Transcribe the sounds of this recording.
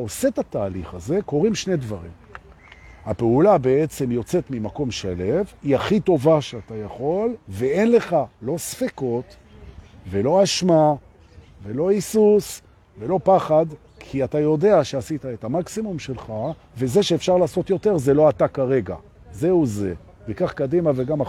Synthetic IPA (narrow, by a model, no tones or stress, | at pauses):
aose̞t̪ataːliχaze̞ko̞ʁimʃne̞d̪vaʁḭm | hapeulabe̞et͡se̞mjo̞t͡se̞t̪mimako̞mʃale̞viaχit̪o̞vaʃeatajaχo̞lvee̞nle̞χalo̞sfeko̞t | ve̞lo̞aʃma | ve̞lo̞isus | ve̞lo̞paχad̪ | kʰiatajo̞de̞aʃeasit̪ae̞tamaksimumʃe̞lχa | ve̞ze̞ʃeːfʃaʁlaːso̞t̪jo̞teʁzelo̞at̪akaʁe̞ɡa̰ | ze̞uze | vekaχkadimave̞ɡama